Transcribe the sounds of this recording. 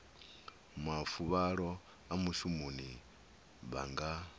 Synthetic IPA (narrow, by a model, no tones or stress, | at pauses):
mafuβaɺɔ | amuʃumuni | βa̰ŋɡa